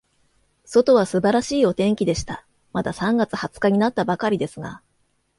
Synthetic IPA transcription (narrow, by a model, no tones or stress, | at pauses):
so̞t̪o̞β̞asɨbaɾaɕiːo̞t̪ẽ̞ŋkʲid̪e̞ɕi̥t̪a | mad̪asãŋɡat͡sɨhat͡sɨ̥kaɲ̟inat̪ːabakaɾʲid̪e̞sɨɡa̰